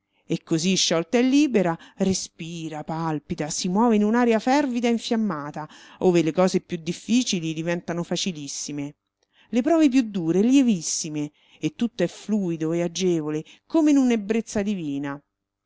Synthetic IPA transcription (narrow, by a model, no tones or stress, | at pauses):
ekːoziʃːɔlt̪aɛlːiːbeɾarespiːɾapalpid̪asimwɔːveinunaːɾjafɛrvid̪aiɱfjamːaːt̪a | oːvelekɔːzepjud̪ːifːiːt͡ʃilid̪ivɛnt̪anofat͡ʃilisːime | lepɾɔːvep̬jud̪ːuːɾeljevisːime | et̪ːut̪ːoɛfluːid̪oead͡ʒeːvole | koːmeinunebːɾet̪sːad̪iviːna